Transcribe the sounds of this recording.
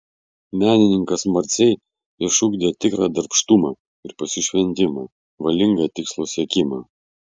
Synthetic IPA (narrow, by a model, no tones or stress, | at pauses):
mʲæːnʲɪnʲɪŋkɐsmɐɾʲt̪sʲɛɪ | ɪʃʊɡd̪ʲeːt̪ʲɪkɾɑːd̪ɐɾpʃt̪umɑː | ɪɾpɐsʲɪʃʲʋʲɛnʲt̪ʲɪmɑː | ʋɐlʲɪŋɡɐːt̪ʲɪkslˠoːsʲiɛkʲɪmɑː